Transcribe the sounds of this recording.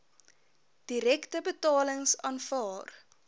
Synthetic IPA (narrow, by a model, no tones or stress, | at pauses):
d̥iɾɛktəbətɑːləŋsɑːnfɑːr